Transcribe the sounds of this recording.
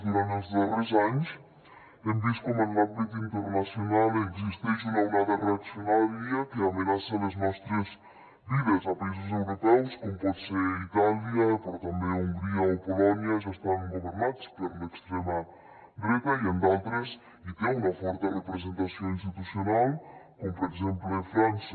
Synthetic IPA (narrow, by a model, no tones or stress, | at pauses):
d̪uɾant̪ezðatɾezaɲus | end̪iskomalablik̪int̪eɾnasjonaleɡzist̪eʃunawnaðɐreak̪sjonaliɐkeamenasaleznɔst̪ɾez | biðezapaiz̬uz̬ewɾopɛwskompɔt̪seɾit̪aljapoɾt̪ambeuŋɡɾiaopolɔnjɐʒast̪aŋŋɡoβeɾnat̪speɾlekst̪ɾemɐ | bɾekaiend̪alt̪ɾes | it̪eŋunɐfɔɾt̪erepɾez̬ent̪asjoŋinst̪it̪usjonalkompoɾezemploefɾansa